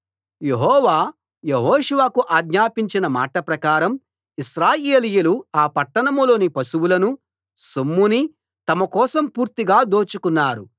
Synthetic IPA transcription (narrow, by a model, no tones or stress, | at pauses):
je̞ɦɔːʋaː | jeɦoːʂuʋakuʔaːɡɲaːpiɲt͡ʃinɐma̰ːʈɐpɾɐkaːɾɐm | iʃɾaːjeːlijuluaːpɐʈːɐɳɐmulo̞ːnipɐsuwulɐnu | somːuni | t̪ɐmɐkɔːsɐmpuːɾt̪iɡaːd̪o̞ːt͡ʃukunːaːɾu